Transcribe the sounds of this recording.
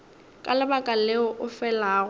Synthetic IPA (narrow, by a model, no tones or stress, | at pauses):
kʼalɪbakʼaleʊʔʊfɛlaːɣʊ